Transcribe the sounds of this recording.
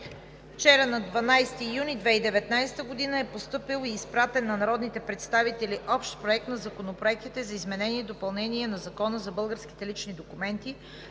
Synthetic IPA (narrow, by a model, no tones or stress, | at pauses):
ft͡ʃɛɾənɐd̪vɐnajst̪ijunid̪vɛid̪ɛvɛt̪najsɛ̥t̪əɡod̪inəɛpost̪ɤpilˠiːspɾat̪ɛnːɐnɐɾɔd̪nit̪ɛpɾɛt̪st̪avit̪ɛliʔɔpʃt̪pɾoɛk̚t̪nɐzɐkonopɾoɛk̚t̪it̪ɛzɐizmɛnɛniɛd̪opɐlˠnɛniɛnɐzɐkɔnəzɐbɤlˠɡəɾsk̟i̥t̪ɛlit͡ʃnid̪okumɛnt̪i